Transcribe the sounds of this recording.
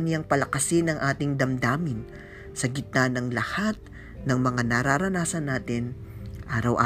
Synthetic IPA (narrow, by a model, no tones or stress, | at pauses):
njaŋpɐlɐkɐsɪnɐŋʔaːt̪ɪŋd̪ɐmd̪aːmɪn | sɐɡɪt̪̚nanɐŋlɐhat̪̚ | nɐŋmɐŋanɐɾaɾɐnaːsɐnːaːt̪ɪn | ʔaːɾɐwʔa̰